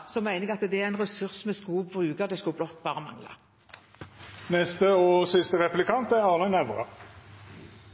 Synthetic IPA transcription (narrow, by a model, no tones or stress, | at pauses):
sɔmæɪnɛɡɑt̪əd̪ɛæɪnʁɛsʉʁsmɛskuːbʁʉːɡəʁd̪ɛskʉblɔt̪ːb̥ɑːʁəmɑ̰ŋlɑ̰ | nɛst̪əɔsɪst̪əʁɛplɪkʰɑnt̪æʁɑːʁnənæʋəʁə̰